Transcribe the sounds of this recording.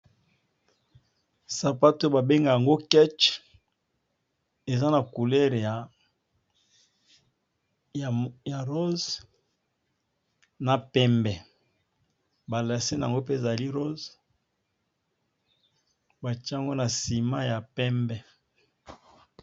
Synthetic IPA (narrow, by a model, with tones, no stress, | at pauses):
sa˨pa˦to˦ba˨be˦ŋɡa˨ja˨ŋɡo˦kɛ˦t͡ʃ | e˨za˦na˨ku˨lɛ˦ʁja˨ | ja˨ʁo˦z | na˨pɛ˦mbɛ˨ | ba˨la˨se˦na˨a˨ŋɡo˦p̬e˦e˨za˨li˦ʁo˦z | ba˨t͡ʃi˦˨ŋɡo˦na˨si˨ma˦ja˨pɛ˦mbɛ˨